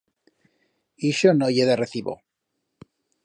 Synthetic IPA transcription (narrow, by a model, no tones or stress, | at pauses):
iʃonoʝeðareθiβo̰